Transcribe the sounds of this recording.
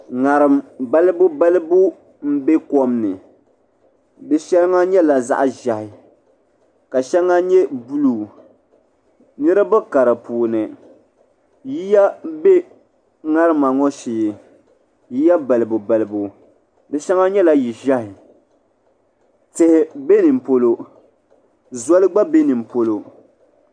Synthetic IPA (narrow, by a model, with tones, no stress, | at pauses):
ŋa˨ɾɨ˨mba˦lɨ˦bʊ˦ba˦lɨ˦bu˦ | m̩˦be˦kɔ˦mnɨ˨ | dɛ˦ʃɛ˦lŋa˦ɲɛ˦la˨za̰˦ʔʒa˨hɪ˨ | ka˨ʃɛ˦lŋa˦ɲɛ˦bu˦lu˨ | nɨ˦ɾɨ˦bɨ˦ka˨ɾɨ˨puː˨nɨ˨ | ji˦ja˦be˦ | ŋa˦ɾɨ˦ma˨ŋɔ˦ʃiː˨ɪ˨ | ji˦ja˦bɛ˨lɨ˨bu˨bɛ˨lɨ˨bu˨ | dɨ˨ʃɛ˦ŋa˦ɲɛ˦la˦ji˨ʒa˦hɪ˨ | tɪ˨hɪ˦be˦nɨ˨m̩˨po˦lo˦ | zɔ˦lɨ˦ɡ͡ba˦be˦nɨ˨m̩˨po˦lo˦